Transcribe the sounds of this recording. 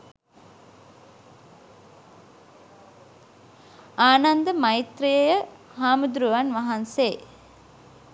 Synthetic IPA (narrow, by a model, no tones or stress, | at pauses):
aːnand̪əmait̪rijəjə | haːmud̪ɾuʋanʋaɦanse